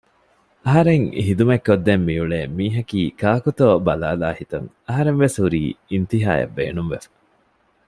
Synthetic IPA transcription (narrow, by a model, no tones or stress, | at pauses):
ɐɦɐɾeŋɦid̪umekːod̪ːemːiuɭeːmiːɦɐkiːkaːkut̪oːbɐla̰ːlaːhit̪ɐ̰ŋ | ɐɦɐɾenʋeshuɾḭːint̪iɦa̰ːjɐ̰bːḛːnumʋefɐ̥